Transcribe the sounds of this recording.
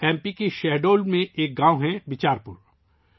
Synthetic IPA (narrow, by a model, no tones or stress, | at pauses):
ɛ̃ːmpikeʃɛɦɖoːlmẽʔeːk̚ɡãːoɦɛ̃ʋɪt͡ʃaːɾpʊɾ